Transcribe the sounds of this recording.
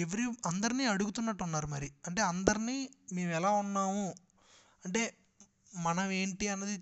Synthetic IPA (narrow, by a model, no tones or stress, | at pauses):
eʋɐɾiɐnd̪ɐɾiniːɐɽuɡut̪unːɐʈːunːaːɾumɐɾiɐɳʈe̞ːɐnd̪ɐɾiniːme̞ːmɛlaːunːaːmu | ɐɳʈe̞ː | mɐnɐme̞ːɳʈiɐnːɐd̪i